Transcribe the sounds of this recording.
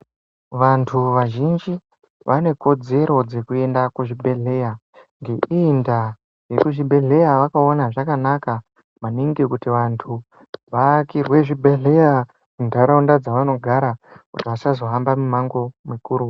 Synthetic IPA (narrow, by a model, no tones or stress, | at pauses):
ʋantʰuʋaʒind͡ʒi | ʋane̞ko̞d͡ze̞ɾo̞d͡ze̞kue̞ndakuʐibʱe̞ɮe̞ja | ŋɡe̞ʔiːnda | je̞kuʐibʱe̞ɮe̞jaʋakaonaʐakanaka | maniŋɡikutiʋantʰu | ʋakirwe̞ʐibʱe̞ɮe̞ja | mundʱaɾaundad͡zaʋano̞ɡʱaɾakutiʋasazo̞ɦambamumaŋɡo̞mikuɾu